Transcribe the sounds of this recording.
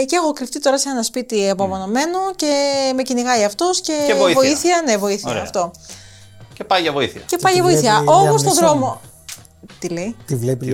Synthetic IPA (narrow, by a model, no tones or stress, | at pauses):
ciexokɾift̪it̪o̞ɾɐseenɐspit̪iepɐmono̞me̞noce̞me̞ciniɣɐiɐft̪osce̞eovo̞iθiɐne̞vo̞iθiɐɾeɐft̪o̞ | cepɐjʝɐvoiθiɐ̰cepɐjʝɐvoiθiɐo̞most̪oðɾo̞mo | t̪ileit̪ivlepi